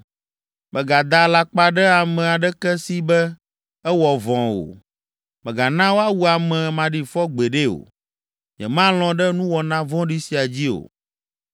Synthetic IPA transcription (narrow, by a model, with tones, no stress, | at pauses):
mɛ̃˨ɡa˨d̪a˨la˨k͡pa˨ɖɛ˦a˨mɛ̃˨a˨ɖɛ˦kɛ˦si˦bɛ˦ | ɛ˦wɔ˨vɔ̃˨wo̰˨ | mɛ˨ɡa˨nã˦wo˦a˦wu˦a˨mɛ̃˨mã˨ɖi˨fɔ˦ɡ͡bɛ˨ɖe˦o̰˨ | ɲɛ̰̃˨mã˦l̃ɔ̃˨ɖɛ˦nũ˦wɔ˨nã˦vɔ̃˦ɖi˦si˨a˨d͡ʑi˦o̰˨